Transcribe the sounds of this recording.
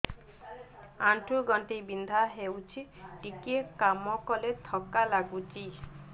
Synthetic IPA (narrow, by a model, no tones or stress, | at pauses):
aɳʈʰuɡɔɳʈibind̪ʱaɦewt͡ʃʰiʈikiekamɔkɔlet̪ʰɔkalaɡut͡ʃi